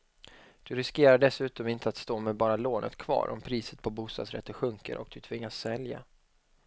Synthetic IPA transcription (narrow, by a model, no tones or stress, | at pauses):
d̪̥ɵɾɪskeːɾaɖɛsʉ̟ːt̪ɔmɪnt̪ʰəat̪st̪oːmɛbɑːɾaloːnʔə̰t̪kʰv̥ɑ̰ːɾʔɔ̰mpʰɾiːsə̥t̪̚pʰɔbuːst̪ɑ̰d̪sɾɛ̰t̪ːəɧɵŋkə̰ɾʔɔk̚d̪̥ɵt̪ʰvɪŋːasːɛlja̰